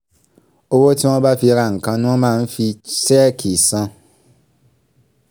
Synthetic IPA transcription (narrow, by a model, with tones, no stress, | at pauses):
o˧wo˦ti˦w̃ɔ̃˦ba˦fi˧ɾa˧˨ŋ̩˨kã˧nũ˦w̃ɔ̃˦mãː˦˧n̩˦fi˧sɛ˦kʰi˨sã˧